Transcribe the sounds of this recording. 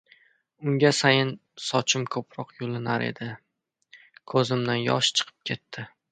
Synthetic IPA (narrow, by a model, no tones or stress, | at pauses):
ʊŋɡʲasajɪnsɒt͡ʃʰɪmkʰɵpʰɾɒqjolɪnaɾḛd̪ɪ | kʰɵzɪmd̪anjɒ̰ʃt͡ʃʰɨ̥qʰɨ̥p̚kʲʰe̞t̪ʰːɪ